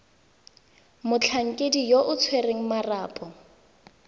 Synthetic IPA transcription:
mʊt͡ɬʰaŋ̩kʼedijoʔʊt͡sʰwereŋ̩maraːpʼɔ

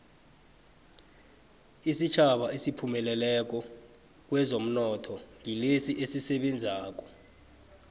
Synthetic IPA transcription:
isit͡ʃʰaɓaʔesipʰumɛlɛlɛk̬ɔ | k̬wɛzom̩nɔtʰɔŋilesiʔesisɛɓend͡zʱaːk̬ɔ

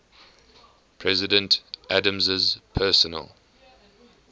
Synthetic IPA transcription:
pʰɹɛzɪdə̃ntʔadə̃mzɪzpʰɛːˑsənə̰lˠ

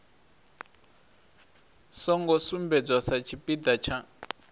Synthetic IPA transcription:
sɔŋɡɔsumbɛd͡zwasat͡ʃʰipid̪at͡ʃʰa

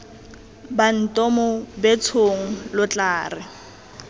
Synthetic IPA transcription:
ban̩tʼɔmɔbɛt͡sʰoŋ̩lʊt͡ɬʼaːrɪ

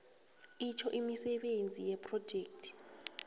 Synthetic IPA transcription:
it͡ʃʰɔʔimisɛɓend͡zʱijɛpʰʼrɔd̥d͡ʒ̥ʱeːktʰi̥

